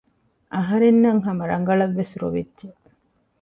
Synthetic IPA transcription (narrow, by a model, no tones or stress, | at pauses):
ʔɐɦɐɾenːɐŋɦɐmɐɾɐŋ̆ɡɐɭɐʋːesɾo̰ʋidd͡ʒe